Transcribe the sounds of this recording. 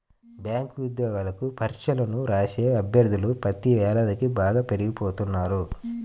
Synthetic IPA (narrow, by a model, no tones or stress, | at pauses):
bjaːŋkuʋid̪jɔːɡalɐkupʰɐɾt͡ʃɐlɐnuɾaːʃeːɐbʱjɐɾd̪ʱulupɾɐt̪iʋɛːlad̪ɐkibaːɡaːpe̞ɾiɡipoːt̪unːaːɾu